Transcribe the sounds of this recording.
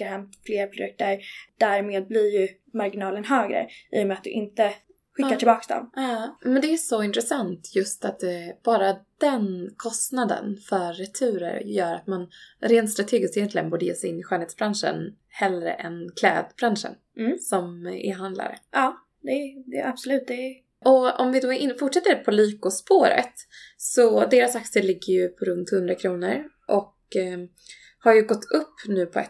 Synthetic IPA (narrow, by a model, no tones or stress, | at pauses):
aɦɛmfleːɾpʰɾʊd̪ɵk̚t̪əɾd̪̥æɾmeːd̪̚blɪɾjɵ | maɾɡɪnɑːlənɦøːɡɾə̰ʔḭːɔmeːat̪̚d̪ɵ̰ʔɪnt̪ə | ɧɪːaʈʰɪlbɑːksd̪ɔ̰mɑmɛnd̪ɛæsɔɪnt̪ɾɛsant̪jɵst̪at̪ɛb̥ɑːɾad̪̥ɛnkʰɔst̪nad̪ə̰nfœɾːɛt̪ʰʉ̟ːɾə̰ɾjœːɾat̪manɾeːnt̪st̪ɾat̪ʰeːɡɪskt̪ɛjɛnt̪lɪɡənbuːɖɛjeːsɛɪnːɪɧœːleːt̪sbɾanʂə̰n | hɛlɾə̰ʔɛnkʰlɛːd̪bɾanʂə̰n | sɔmɪ̰ɦand̪la̰ɾə̰ʔɑː | d̪ɛd̪ɛab̥sɔlʉ̟ːt̪̚d̪ɛ | ʔɔɔmvɪd̪oːʔɪfʊʈʂɛt̪ːəɾpʰɔliːkʊspoːɾə̰t̪sɔd̪eːɾasak̚səɭɪɡːəɾjɵpʰɔɾɵnt̪hɵnd̪ɾakʰɾuːnəɾ | ʔɔk | haɾjɵɡɔt̪ʰːɵpːnʉ̟ːpʰɔɛ̰t̪